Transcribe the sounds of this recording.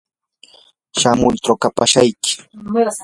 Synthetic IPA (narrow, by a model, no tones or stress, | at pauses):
ʃamʊjt̪ɾokapaʃajkɪ̥